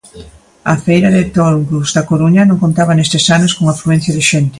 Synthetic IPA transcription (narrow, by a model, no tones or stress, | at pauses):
ɐfejɾɐðɪt̪oɾɡuzðɐkoɾuɲɐnõŋkont̪aβ̞ɐnest̪ɪsanoskoŋafɾuɛnθjɐðɪʃent̪ɪ̥